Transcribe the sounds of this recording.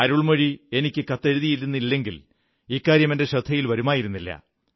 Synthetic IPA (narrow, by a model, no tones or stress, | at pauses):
ɐɾuɭmɐɻie̞nikʲːɨkɐt̪ːe̞ɻuðijiɾunːilːe̞ŋɡil | ikːaːɾjɐmendeɕɐd̪ʱːɐjilʋɐɾumaːjiɾunːilːɐ̰